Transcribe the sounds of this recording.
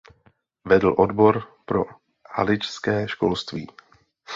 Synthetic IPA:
vɛdl̩ʔodbo̞ɾpɾo̞̰ | ha̰lɪt͡ʃskɛːʃko̞lst̪vḭː

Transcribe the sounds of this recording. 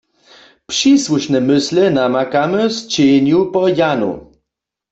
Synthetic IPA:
pʂiswuʂnɛmɪslɛnamakamɘst͡ɕeɲupɔjanṵ

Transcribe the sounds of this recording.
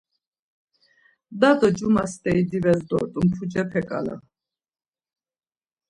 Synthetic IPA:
d̪ad̪ɔd͡ʒumast̪ʼɛid̪ivɛzd̪ɔ̰t̪ʼumpʰud͡ʒɛpʰɛkʼa̰la̰

